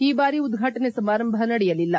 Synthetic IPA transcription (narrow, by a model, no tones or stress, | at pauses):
iːbaːɾiud̪ɡʱaːʈɐnesɐmaːɾɐmbʱɐnɐɽɛjɐlilːɐ